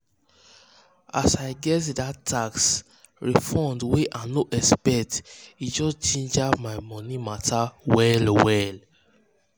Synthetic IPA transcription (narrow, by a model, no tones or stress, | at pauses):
a̰sajɡɛtdatʰːaks | ɹifɔ̃ndweʔanoʔɛspɛtid͡ʒɔst͡ʃẽnd͡ʒamajmɔnimatawɛlwɛl